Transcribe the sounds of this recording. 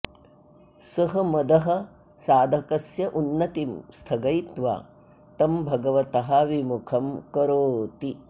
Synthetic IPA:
sɐɦɐ̆mɐd̪ɐɦɐ̆ | saːd̪ʱɐkɐsjɐʔunːɐt̪imst̪ʰɐɡɐjt̪ʋa̰ː | t̪ɐmbʱɐɡɐʋɐt̪ɐɦaʋimukʰɐmkɐɾoːt̪i

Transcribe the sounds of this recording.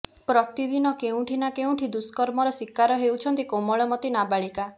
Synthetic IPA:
pɾɔt̪id̪inɔkeũʈʰinakeũʈʰid̪uskɔɾmɔɾɔsikaɾɔɦewt͡ʃʰɔnt̪ikomɔɭɔmɔt̪inabaɭika

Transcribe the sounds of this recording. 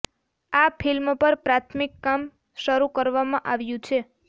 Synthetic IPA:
afʰilmpəɾpɾat̪ʰmikːam | ʃəɾukəɾʋamãʔaʋjũt͡ʃʰe

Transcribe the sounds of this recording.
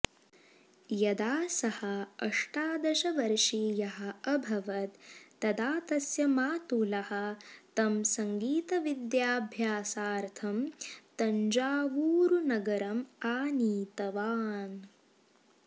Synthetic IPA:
jɐd̪aːsɐhɐɐʂʈaːd̪ɐʃɐʋɐɾʂiːjɐɦɐ̆ɐbʱɐʋɐt̪ːɐd̪aːt̪ɐsjɐmaːt̪ulɐhɐ̆t̪ɐmsɐŋɡiːt̪ɐʋid̪jaːbʱjaːsaːɾt̪ʰɐmt̪ɐɲd͡ʒaːʋuːɾunɐɡɐɾɐmaːniːt̪ɐʋaːn

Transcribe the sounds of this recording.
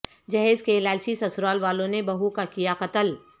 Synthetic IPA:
d͡ʒɐɦeːd͡ʒkeːlaːlt͡ʃisɐsɾaːlʋaːlõnebɐɦukakijaqɐt̪əl

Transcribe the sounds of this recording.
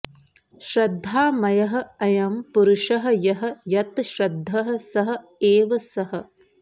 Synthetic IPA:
ʃɾɐd̪ʱːaːmɐjɐɦɐ̆ɐjɐmpuɾʊʂɐɦɐ̆jɐɦɐ̆jɐt̪ʃɾɐd̪ʱːɐɦɐ̆sɐɦɐ̆ | eːʋɐsɐɦɐ̆

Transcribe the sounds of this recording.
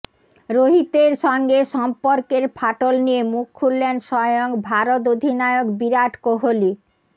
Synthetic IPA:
ɾoɦit̪eɾʃɔŋɡeʃɔmpoɾkeɾpʰaʈolnijemukʰːulːenʃɔjoŋbʱaɾot̪̬od̪ʱinaeokbiɾaʈkoɦoli

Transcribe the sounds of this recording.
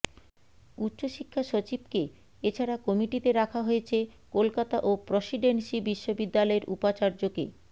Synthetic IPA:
ut̪ːɕoʃikʰːaʃot͡ɕib̚ke | et͡ɕʰaɾakɔmiʈit̪eɾakʰaɦoet͡ɕʰekolkat̪aʔopɾosiɖenʃibiʃːobid̪ːalɔeɾṵpat͡ɕaɾd͡ʑokḛ

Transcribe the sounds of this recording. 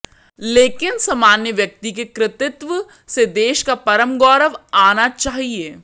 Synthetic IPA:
leːkɪnsɐmaːnjəʋjɐk̚t̪ik̬ekɾɪt̪ɪt̪ʋ | sed̪eːʃkapɐɾəmɡɔːɾəʋaːnat͡ʃaːɦieː

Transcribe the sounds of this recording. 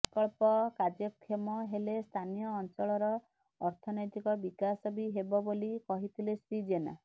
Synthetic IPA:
kɔɭpɔkad͡ʒjɔkʰːemɔɦelest̪ʰanijɔːnt͡ʃɔɭɔɾɔ | ɔɾt̪ʰɔnɔjʈikɔbikasɔbiɦebɔbolikɔɦit̪ʰilesɾid͡ʒena̰

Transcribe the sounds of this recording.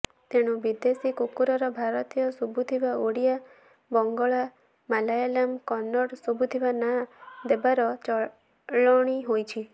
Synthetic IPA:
t̪eɽ̃ubid̪esikukuɾɔɾɔbʱaɾɔt̪ijɔsubʱut̪ʰibaoɽija | bɔŋɡɔɭa | malajalamkɔnːɔɽsubʱut̪ʰibanad̪ebaɾɔt͡ʃɔ | ɭɔɽ̃iɦojt͡ʃʰi

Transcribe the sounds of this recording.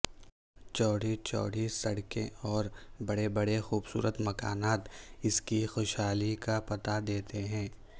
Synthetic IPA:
t͡ʃɔːɽ̤it͡ʃɔ̰ːɽ̤isɐɽkḛ̃ɔːɾbɐɽebɐɽexuːbsṵːɾət̪mɐkaːnaːt̪ɪskixoːʃhaːlikapɐt̪ad̪eːt̪eɦɛ̃ː

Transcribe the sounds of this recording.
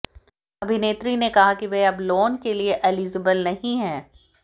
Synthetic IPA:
ɐbʱineːt̪ɾinekɐɦakiʋeɐbloːnkelieʔɛliːzəbəlnɐɦĩɦɛ̃ː

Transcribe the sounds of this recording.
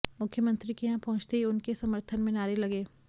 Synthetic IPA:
mʊkʰjəmə̃nt̪ɾikeɦãpɐɦʊ̃t͡ʃt̪eɦiʊnkesɐməɾt̪ʰənmẽnaːɾelɐɡeː

